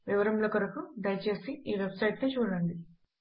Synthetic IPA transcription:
ʋiʋɐɾɐmloːkɐɾɐkuɖɐjt͡ʃe̞ːsiiːʋebsɐjʈnut͡ʃuːɽɐɐɳɖi

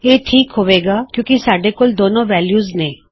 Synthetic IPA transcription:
jeːʈʰiːkɦoʋeːɡaːkjõːkisaːɖekold̪oːnõʋɛːljuːznẽː

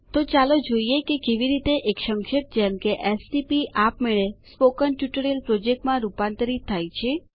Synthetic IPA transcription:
t̪ot͡ʃalod͡ʒoiekekeʋiɾit̪eʔekʃə̃ŋkʃeʈ̚d͡ʒɛmkeʔesʈipiʔapmeɭespokənʈjuʈəɾijəlpɾod͡ʒek̚ʈmãɾupãnt̪əɾit̪ʰːajt͡ʃʰe

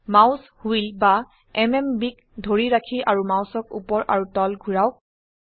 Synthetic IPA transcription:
mawshuilba | ɛmɛmbik | dʱoɹiɹakʰiʔaɹumawsɔk̚ṵpɔɹʔa̰ɹutɔlɡʱuɹawk̚

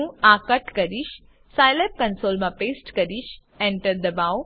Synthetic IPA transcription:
ũakəʈkəɾiʃ | sajlep̚kənsolmãpesʈkəɾiʃ | ɛ̃ɳʈəɾd̪əbaw

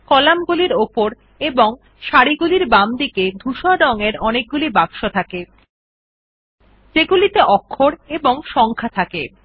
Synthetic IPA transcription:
kɔlamɡuliɾopoɾ | eboŋ | ʃaɽiɡuliɾbamd̪iked̪ʱuʃɔɖɔŋeɾɔnek̚ɡulibakʃot̪ʰake | d͡ʑeɡulit̪eʔɔkʰːoɾeboŋʃɔŋkʰat̪ʰakḛ

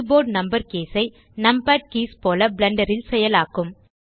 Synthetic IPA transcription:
boːɖnɐmbɐɾkeːsɐɪ | nɐmpaːʈ̚kiːspoːlɐblɐɳɖɐɾɪlsɛjɐlaːkːɯm

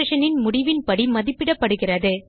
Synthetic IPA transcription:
ʂɐnɪnmʊɽɪʋɪnpɐɽimɐðɪpːɪɽɐpːɐɽɯɣɪrɐðɯ

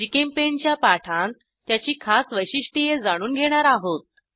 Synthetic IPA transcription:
d͡ʑikempeɲt͡ɕjapaʈʰãn | jat͡ɕiːkʰasʋəjɕiʂʈijed͡zaɽ̃uːnɡʱeɽ̃aɾaɦot̪̚

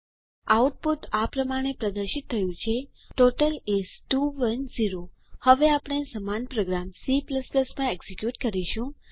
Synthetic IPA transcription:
auʈ̚puʈapɾəmaɽ̃epɾəd̪əɾʃit̪ʰːəjũt͡ʃʰe | ʈoʈəlesʈuʋənziɾo | həʋeapɽ̃esəmanpɾoɡɾamsipləspləsmãeksikjuʈkəɾiʃũ

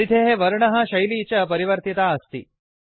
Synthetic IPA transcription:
id̪ʱeɦeʋɐɾɳɐɦɐ̆ʃɐjliːt͡ʃɐp̬ɐɾiʋɐɾt̪it̪aːɐst̪ḭ

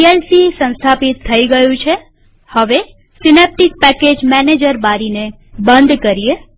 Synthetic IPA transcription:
ielsisə̃nst̪ʰapit̪ʰːəiɡəjũt͡ʃʰe | həʋe | sinep̚ʈik̚pɛked͡ʒmɛned͡ʒəɾbaɾine | bə̃nd̪kəɾie

